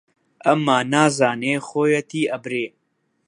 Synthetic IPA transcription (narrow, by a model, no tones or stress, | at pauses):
ɐmːaːnaːzaːneːxoːjɐt̪iːɐbɾeː